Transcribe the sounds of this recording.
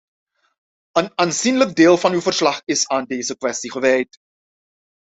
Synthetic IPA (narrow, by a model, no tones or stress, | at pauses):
ənaːnzinlək̚deːlˠvɑnywvərslɑχɪsaːndeːzəkʋɛstiχəʋɛjt